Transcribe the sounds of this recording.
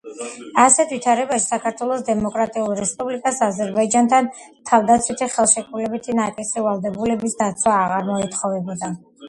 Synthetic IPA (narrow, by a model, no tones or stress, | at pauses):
asɛt̪ʰvit̪ʰaɾɛbaʃi̥sakʰaɾt̪ʰwɛlˠɔsd̪ɛmɔkʼɾat̪ʼiulˠɾɛspʼublikʼasazɛɾbaid͡ʒant̪ʰan | t̪ʰavd̪at̪sʰwit̪ʰiχɛlˠʃɛkʰʼulɛbit̪ʰinakʼisivalˠd̪ɛbulɛbisd̪at̪sʰwaːʁaɾmɔit̪ʰχɔvɛbɔd̪a